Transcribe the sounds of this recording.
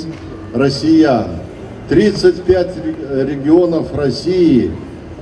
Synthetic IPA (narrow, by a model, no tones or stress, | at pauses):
rɐsʲɪja | t̪ɾʲit̪sɨtʲpʲætʲɾʲɪɡʲɪonəfrɐsʲijɪ